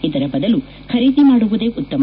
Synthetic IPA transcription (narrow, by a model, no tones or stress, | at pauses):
id̪ɐɾɐbɐd̪ɐlu | kɐɾiːd̪imaːɽuʋud̪eːʔut̪ːɐm